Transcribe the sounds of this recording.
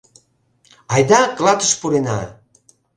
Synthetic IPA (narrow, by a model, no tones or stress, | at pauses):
ɑjd̪ɑklɑt̪əʃpuɾenɑ̰